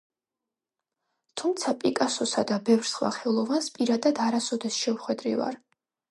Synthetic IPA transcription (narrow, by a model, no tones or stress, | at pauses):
t̪ʰumt̪sʰapʼikʼasɔsad̪abɛvɾsχwa̰χɛlˠɔvanspʼiɾad̪ad̪aɾasɔd̪ɛsʃɛmχwɛd̪ɾḭva̰ɾ